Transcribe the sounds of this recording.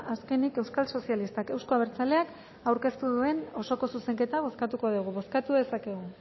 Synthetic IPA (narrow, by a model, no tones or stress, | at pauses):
aske̞nike̞wskalso̞sialist̪ake̞wsko̞aβeɾt͡sale̞ak | awɾke̞st̪uðue̞no̞so̞ko̞suse̞ŋke̞t̪aβo̞skat̪uko̞ðuɣ̞uβo̞skat̪uðe̞sake̞ɣ̞u